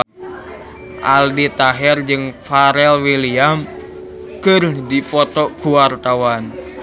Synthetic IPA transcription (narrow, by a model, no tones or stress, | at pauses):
ʔa̰ldit̪aɦɛrd͡ʒɨŋfaɾɛlwiliam | kɨrdipɔt̪ɔkuwart̪awan